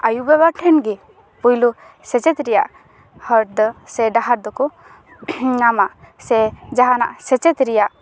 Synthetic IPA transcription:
ajubɛβaʈʰɛnɡi | pujlu | sɛt͡ʃɛt̪ɾɛja̰ʔ | həɾd̪sɛɖaɦaɾd̪ɔkɔ | namaʔ | sɛd͡ʒaɦana̰ʔsɛt͡ʃɛt̪ɾijaʔ

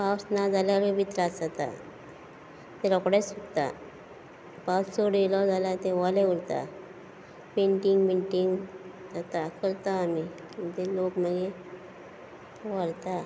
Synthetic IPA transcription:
awsnad͡zaljalebit̪ɾad͡zat̪a̰ | t̪eɾɔkɽesuk̪t̪a̰ | passoɽelɔd͡zalat̪ẽʋaleuɽt̪a̰ | peɳʈiŋɡpeɳʈiŋɡd͡zat̪akəɾt̪aːmikit̪elokməɡe | ʋaɾt̪a

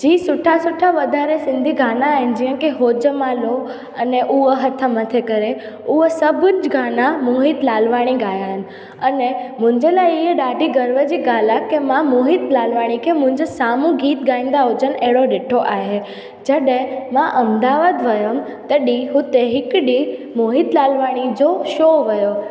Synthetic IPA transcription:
d͡ʑiːsʊʈʰasʊʈʰaʋəd̪ʱaɾesɪ̃nd̪ʱiɡʱaːnaːɦɪnɪ̆d͡ʒiːə̃keɦoːd͡ʒəmãlo | əneʔuəɦət̪ʰəmət̪ʰekəɾe | usəbʱd͡ʒɡʱaːnamuɦɪt̪laːlʋaɽ̃iɡaːjaɦənɪ̆ | ənemʊ̃ɲd͡ʒelaiɦeɗaːɖiɡəɾʋəd͡ʒiɡaːlakemãmoɦit̪laːlʋaɽ̃ikʰemʊ̃ɲd͡ʒesaːmũɡiːt̪ɡãĩnd̪aod͡ʒəneɽoɖɪʈʰoʔaɦe | d͡ʒəɗẽmãʔəmd̪aʋad̪ʋəjəm | t̪əɗiɦũt̪eɦɪkɗimoɦit̪laːlʋaɽ̃id͡ʒoʃoʋəjo

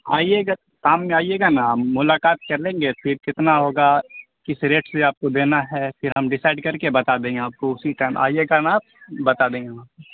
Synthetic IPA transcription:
a̰ːijeːɡa | kaːmːẽaːijeːɡanamːʊlaːkaːt̪kɐɾlẽːŋɡefʰɪɾkɪt̪naɦoːɡa | kɪsɾeːʈseaːp̚kod̪eːnaɦɛfʰɪɾɦɐmɖɪsaːɪɖkɐɾkebɐt̪ad̪ẽːeaːp̚koʊsiʈaːɪmʔa̰ːieɡanaːp̚bɐt̪ad̪ẽːɡeaːp̚o

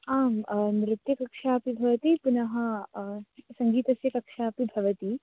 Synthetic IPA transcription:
aːmnɾɪt̪jɐkɐkʂaːpibʱɐʋɐt̪ipunɐɦɐ̆ | sɐŋɡiːt̪ɐsjɐkɐkʂaːpibʱɐʋɐt̪i

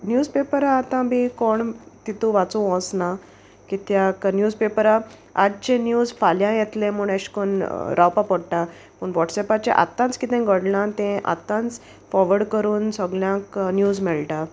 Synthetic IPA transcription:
njuːd͡zpepəɾaːt̪ãbikoɳt̪it̪ũʋat͡sõɔ̃sna | kit̪jaknjuːd͡zpepəɾa | a̰d͡ʑt͡ɕenjuːd͡zfaljãjɛt̪lẽm̤uɳeɕi̥konɾʔawpapɔɽʈa | pəɳʋɔʈsɛpat͡ɕḛʔa̰t̪ːãnt͡skit̪ɛ̃ɡʱəɽlãt̪ɛ̃ʔa̰t̪ãnt͡s | fɔʋəɽkəɾuːnsɔɡljãknjuːd͡zmɛɭʈa

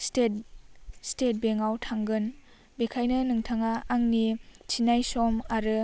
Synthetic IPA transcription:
stet̚stet̚beŋawtʰaŋɡɯn | bekʰajnɯnɯŋtʰaŋaːŋnit͡ʃʰinajsɔmaɾɯ

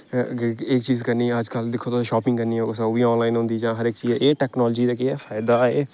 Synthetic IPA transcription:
ɪk̚t͡ʃiːzkəɾniːɛːəd͡ʒkəld̪ɪkʰːoːt̪oʃaːpɪ̃ŋɡkəɾniːɛːʊsaʋiːɔ̃ːnlaːinɦʊ̃nd̪iːd͡ʒãːɦəɾɪkt͡ʃiːɛːʔeːʈɛːknɔːld͡ʒiːd̪aːkɪɛːfʰaːɪd̪aːeː

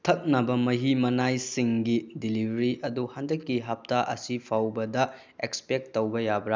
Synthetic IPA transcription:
tʰɐk̚nɐbɐmɐɦimɐnajsiŋɡidilibʱɐɾiʔɐduhandɐkːiɦap̚taʔɐsipʰawbɐdɐ | ekspek̚tːɐwbɐjabɾa

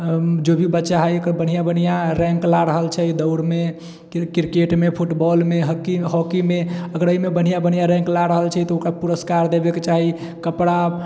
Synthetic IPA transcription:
d͡ʒobʱibətːʃaɦəjəkəɾbən̤ijabən̤ijaɾɛ̃ŋklaɾəɦəlt͡ʃʰɛid̪əʊɽme | kiɾkeʈmepʰuʈbɔlmeɦkiɦɔkimeəɡəɾəimebən̤ijabən̤ijaɾɛ̃ŋklaɾəɦəlt͡ʃʰɛt̪ɔukɾapuɾəskaɾd̪ebeket͡ʃaɦi | kəpɽa

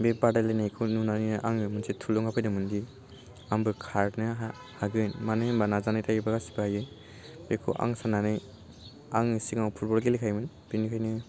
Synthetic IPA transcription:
bebadajlajnajkʰununaninɯʔaŋɯmunsʰitʰulɔŋapʰɯjnɯmundi | ambɯkʰaɾnɯɦa | haɡɯjnmanɯjmbanazanajtʰaɡibaɡasi̥bajɯ | bekʰṵʔa̰ŋsananɯj | aŋisiŋawpʰuɾbɔlɡelikʰajmɯn | b̥inikʰɯjnɯ

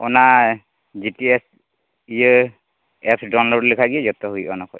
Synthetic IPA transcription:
ɔna | zitiɛs | ij | ɛpsdɔnllikʰaɡizɔt̪ɔɦujʔɔnɔkɔj

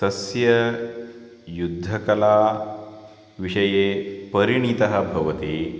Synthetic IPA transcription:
t̪ɐsjɐ | jud̪ʱːɐkɐlaː | ʋiʂɐjeːpɐɾiɳ̃it̪ɐɦɐ̆bʱɐʋɐt̪eː

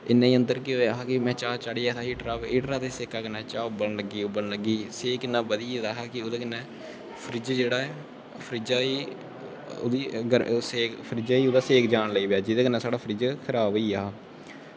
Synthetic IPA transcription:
ɪnːãːiːə̃nd̪əɾkɪɦoːjaːɦaːkɪmɛ̃ːt͡ʃaːt͡ʃaɽiːaːt̪aːiːʈɾaːiːʈɾaːt̪eːseːkaːkənɛːt͡ʃaːbəlnləɡiːʊbəɳləɡiːseːkɪnːãːbəd̪iːed̪aːɦaːkɪʊd̪eːkənːɛ̃ː | pʰɾɪd͡ʒd͡ʒeːɽaːɛ | pʰəɾɪd͡ʒaːiː | o̰d̪iːɡəseːkpʰəɾɪd͡ʒaːiːʊd̪aːseːkd͡ʒaːnləiːbaːd͡ʒɪd̪eːkənːɛ̃ːsaːɽaːpʰəɾɪd͡ʒkʰəɾaːbiːaː

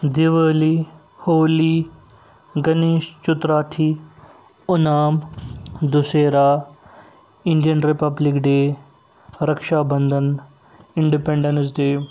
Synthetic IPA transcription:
d̪iʋəːli | hoːli | ɡɐneːʃt͡ʃʊt̪ɾaːt̪ʰi | ʊnaːmd̪ʊseːɾaː | ɪnɖijənʈɾipɐblikɖeː | ɾɐkʃaːbɐnd̪ʱən | ɪɳɖipẽɳɖɐnsd̪eː

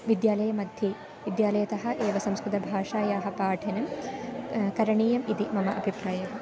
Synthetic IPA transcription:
ʋid̪jaːlɐjɐmɐd̪ʱjɐ | ʋid̪jaːlɐjɐt̪ɐɦɐ̆ʔeːʋɐsɐmskɾut̪ɐbʱaːʂaːjaːɦɐ̆paːʈʰinɐm | kɐɾɐɳiːjɐmit̪imɐmɐʔɐbʱipɾaːjɐɦɐ

